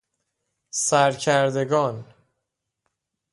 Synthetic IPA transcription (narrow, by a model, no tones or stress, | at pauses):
sæɾcʰæɾd̪e̞ɡɒːn